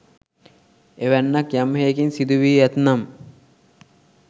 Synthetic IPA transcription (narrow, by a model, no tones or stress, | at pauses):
eʋænːakjamɦejkinsid̪uʋiːæt̪nam